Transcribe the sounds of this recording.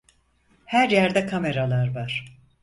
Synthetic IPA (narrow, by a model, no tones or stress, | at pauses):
hæɾjæɾd̪ɛkʰame̞ɾalˠaɾvaɾ̥